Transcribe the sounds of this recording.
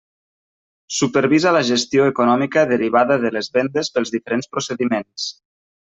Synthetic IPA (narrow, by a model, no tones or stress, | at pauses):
supəɾβizaləʒəst̪ioekunɔmikəðəɾiβ̞aðəðələzβɛnd̪əspəlˠzðifəɾenspɾosəðimens